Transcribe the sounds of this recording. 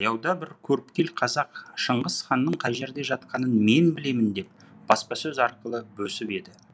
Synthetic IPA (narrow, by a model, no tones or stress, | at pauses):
jɑwd̪ɑbɪɾkʲʰɵɾɪpkʲe̞lqʰɑzɑqʃəɴʁəsχɑnːəɴqʰɑʒe̞ɾd̪e̞ʒɑt̪̚qɑnənme̞nbɪle̞mɪnd̪e̞p̚ | b̥ɑspɑsɵzɑɾqəlˠəbɵsɪpe̞d̪ɪ